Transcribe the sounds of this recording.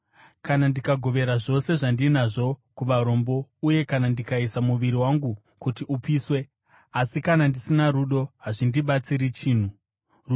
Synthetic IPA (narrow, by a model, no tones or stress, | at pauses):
kanandikaɡʱo̞ʋe̞ɾaʐo̞se̞ʐandinaʐo̞kuʋaɾo̞mbo̞uje̞kanandikaisamuʋiɾiwaŋɡu | kutiupiːswe̞ | asikanandisinaɾuɗo̞ɦaʐindiɓat͡siɾit͡ʃiːn̤u | ru